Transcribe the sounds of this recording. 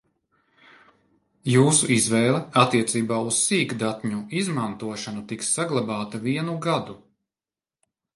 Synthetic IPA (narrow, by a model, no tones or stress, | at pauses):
juːsuʔizvɛːlˠɛat̪ːiɛt̪siːbaːussiːkd̪at̪ɲuizmant̪uɔʃanut̪iksːaɡlˠabaːt̪aviɛnuɡad̪u